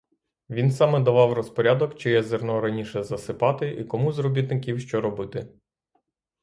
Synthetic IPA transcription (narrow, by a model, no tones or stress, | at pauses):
ʋʲinsɑmɛd̪ɐʋɑwrɔspɔɾʲad̪ɔkt͡ʃɪjɛzernɔɾɐnʲiʃɛzɐsɪpɑt̪ɪʔikɔmuzɾɔbʲit̪nɪkʲiwʃt͡ʃɔɾɔbɪt̪ɪ